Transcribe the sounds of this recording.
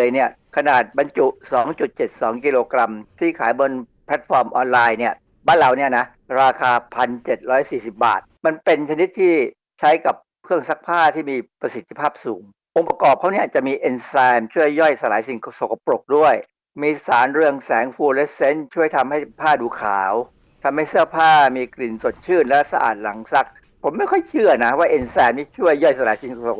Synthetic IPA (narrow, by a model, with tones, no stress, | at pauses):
ɤː˧jni˥˩ɐ | kʰa˧naː˨˩t̪̚ba˧nt͡ɕu˨˩sɔː˨˩˦ŋt͡ɕu˨˩t̪̚t͡ɕe˨˩t̪̚sɔː˩˦ŋkiː˧loː˧kɾa˧mt̪ʰiː˥˩kʰa̰ː˩˦jbo˧npʰɛ˦˥t̪̚fɔː˧mʔɔː˧nlaː˧jni˥˩ɐ | baː˥˩nlaː˨˩wni˥˩ɐna˦˥ | ɾaː˧kʰaː˧pʰa˧nt͡ɕe˨˩t̪̚ɾɔː˦˥jsiː˨˩si˨˩p̚ba̰ː˨˩t̪̚ma˧npe˧nt͡ɕʰa˧ni˦˥t̪ʰːiː˥˩ | t͡ɕʰa˦˥jka˨˩p̚ʰːɯ˥˩əŋsa˦˥k̚pʰaː˥˩t̪ʰiː˥˩miː˧pɾa˧si˨˩t̪ʰːi˧pʰaː˥˩p̚suː˩˦ŋ | ʔo˧ŋpa˧kɔː˨˩p̚kʰa˥wni˥˩˨t͡ɕa˨˩miː˧ʔe˧nsɛː˧mt͡ɕʰu˥˩əjːɔ˥˩jsa˧laː˨˩˦jsi˨˩ŋkʰo˧so˨˩kːa˧pɾo˨˩k̚du˥˩əj | miː˧saː˩˦nɾɯ˧əŋsɛː˩˦˥ŋfuː˧le˦˥se˦˥nt͡ɕʰu˥˩əjt̪ʰa˧mha˥˩jpʰaː˥˩duː˧kʰa̰ː˩˦w | t̪ʰa˧mha˥˩jsɯ˥˩ɐpʰaː˥˩miː˧kli˨˩nso˨˩t̪̚t͡ɕʰɯː˥˩nlɛ˦˥sa˧ʔa̰ː˨˩t̪̚la˩˦ŋsa˦˥k̚ | pʰo˩˦mːa˥˩jkʰɔ˥˩jt͡ɕʰɯ˥˩ɐna˦˥waː˥˩ʔe˧nsɛː˧mniː˦˥˩t͡ɕʰu˥˩əjːɔ˥˩jsa˧laː˨˦jsi˨˩ŋkʰo˧o˨˩